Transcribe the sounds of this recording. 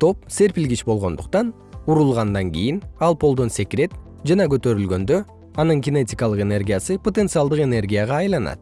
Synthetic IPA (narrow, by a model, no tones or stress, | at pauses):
t̪ʰo̞p̚se̞ɾpilɡit͡ʃbo̞lˠʁo̞nd̪uqt̪ɑn | uɾulˠʁɑnd̪ɑŋɡijinɑlˠpʰo̞lˠd̪o̞nsʲekɾe̞t̪ | d͡ʒɑnɑɡø̞t̪ø̞ɾylɡø̞nd̪ø̞ | ɑnɯŋɡʲɪne̞tʲɪkɑlˠɯqe̞ne̞rɡʲijasɯpʰo̞t̪e̞nt̪sɨalˠd̪ɯqe̞ne̞rɡʲijaʁɑːjlˠɑnɑ̰t̪